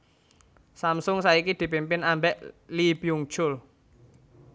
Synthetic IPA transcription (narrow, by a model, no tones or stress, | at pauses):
samsʊŋsaikid̪̥i̤pimpɪnambɛʔlipiuŋ̥ʒ̥ʊl